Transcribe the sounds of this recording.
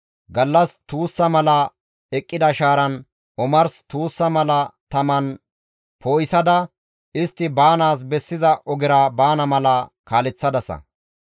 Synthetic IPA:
ɡɐlːɐst̪uːsːɐmɐlɐ | ɛkʼːɪd̪ɐʃaːɾɐn | ʔɔmɐɾst̪uːsːɐmɐlɐt̪ɐmɐn | pʰoːjɪsɐd̪ɐ | ʔɪst̪ːɪbaːnaːs̬bɛsːɪzɐʔɔɡɪɾɐbaːnɐmɐlɐkaːlɛt͡sːɐd̪ɐsɐ̰

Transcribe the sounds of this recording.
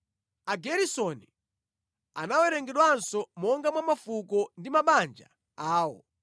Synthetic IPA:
aɡɛɾisɔni | a̰nawɛɾɛŋɡɛɗwansɔmɔŋɡamwamafukɔndimaɓand͡ʒa̰ | aːwɔ̰

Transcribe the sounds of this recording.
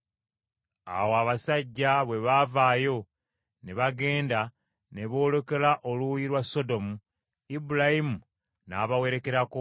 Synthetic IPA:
a̰woaβasaɟːaβwe̞βavaːjo̞ | ne̞βaɡe̞ːnda | ne̞βo̞ːlo̞ke̞laʔoluwujiɾwaso̞do̞mu | ibuɾahimu | naːβawe̞ɾe̞ke̞ɾako

